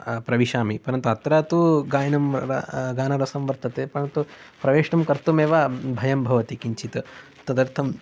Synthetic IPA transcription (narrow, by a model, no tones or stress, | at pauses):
pɾɐʋiʃaːmipɐɾɐnt̪uɐt̪ɾaːt̪uɡaːjɐnɐmɾɐ̰ɡaːnɐɾɐsɐmʋɐɾt̪ʰɐt̪eːpɐɾɐnt̪u | pɾɐʋeːʂɳɐmkɐɾt̪umeːʋaːbʱɐjɐmbʱɐʋɐt̪ikiɲt͡ʃʰit̪ɐ | t̪ɐd̪ɐɾt̪ʰɐm